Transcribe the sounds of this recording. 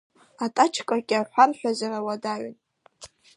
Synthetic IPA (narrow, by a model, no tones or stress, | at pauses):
atʼat͡ʃʰkʼakʲʼɪaħʷarħʷᶣazarawadaɥn